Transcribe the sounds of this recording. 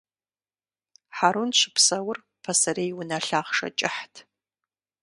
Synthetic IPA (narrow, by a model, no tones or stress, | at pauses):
ħaɾunɕʷɪpʰsɐwʊr | pʰɐsɐɾejwʊnɐɬaːχʂɐ̰t͡ʃʼɪħtʰ